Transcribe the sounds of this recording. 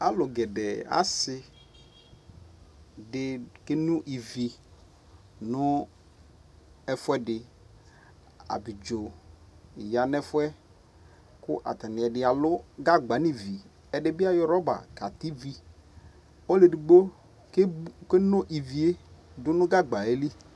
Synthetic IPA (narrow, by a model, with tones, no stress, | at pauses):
a˦lʊ˨ɡɛ˨dɛ˨a̰˦sɪ˨ | dɪ˨˦ke˦nʊ̃˦ʔi˨vi˨ | nʊ˦ | ɛ˦fʊ˦ɛ˦dɪ˨ | a̰˨bɪ˨d͡ʒo˨ | ɪ˨ja˨nɛ˦fʊ˦ɛ˦ | kʊ˦ʔa̰˨t̪a˨nɪ˨ɛ˨dɪ˨˦a˨lʊ˦ɡa˦ɡ͡ba˨˦ni˦˨vi˨ | ɛ˨dɪ˦bɪ˦a˦jɔ˦ɾɔ˦ba̰˨ka˨t̪i˦vi˦ | ɔ˦le˨di˨ɡ͡bo˦ | kke˦nʊ˦ʔi˨vi˨e˦ | dʊ˦nʊ̃˦ɡa˦ɡ͡ba˨e˦li˦